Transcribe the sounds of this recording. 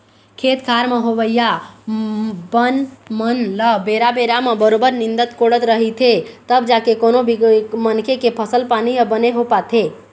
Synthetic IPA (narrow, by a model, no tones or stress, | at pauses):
kʰet̪kʰaɾmeɦobəja | bənmənləbeɾabeɾamebəɾobəɾnind̪ət̪koɽət̪ɾəɦit̪ʰet̪əbd͡ʒakekonobimənkʰekepʰəsəlpaniəbəneɦopat̪ʰe